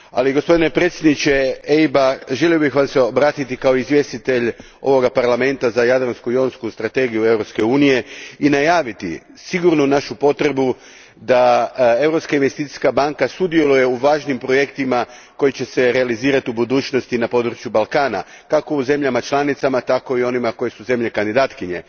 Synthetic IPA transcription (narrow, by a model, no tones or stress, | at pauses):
a̰liɡospo̞d̪ine̞pɾet̪sjed̪nit͡ɕe̞eibaʒe̞lio̞bixʋaseobɾaːt̪it̪ikao̞izʋje̞st̪it̪e̞ʎ | o̞̰ʋo̞ɡapaɾlame̞nt̪azajad̪ɾanskuio̞nskust̪ɾat̪e̞ɡijue̞ʋɾo̞pske̞uːnije̞inajaːʋit̪ḭ | siɡuɾnunaʃupo̞t̪ɾe̞bu | d̪ae̞vɾo̞pskainʋe̞st̪it̪i̥skabaŋkasud̪je̞luje̞uʋaːʒnimpɾo̞je̞kt̪ima | ko̞jit͡ɕe̞se̞ɾealiziːɾat̪iubud̪uːt͡ʃno̞st̪inapo̞d̪ɾut͡ʃjubalˠkaːna̰ | kako̞uze̞mʎamat͡ʃlˠanit̪samat̪ako̞io̞nimako̞jesuze̞mʎe̞kand̪id̪aːt̪kiɲe̞̰